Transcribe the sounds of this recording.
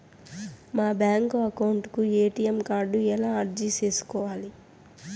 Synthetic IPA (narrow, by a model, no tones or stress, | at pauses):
maːbjaːŋkoɐkɐwuɳʈkueːʈijemkaːɾɖuɛlaːɐɾd͡ʒit͡ʃe̞ːsu̥kɔːʋaːli